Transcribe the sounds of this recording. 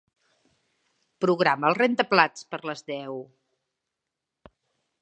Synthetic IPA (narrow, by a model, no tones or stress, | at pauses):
pɾuɣɾaməlˠrent̪əplat͡spəɾləzðɛw